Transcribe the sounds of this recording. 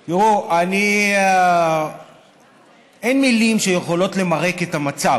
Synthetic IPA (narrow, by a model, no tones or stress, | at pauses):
joʁuani | enmilimʃeje̞χo̞lo̞tle̞maʁeke̞tamat͡sa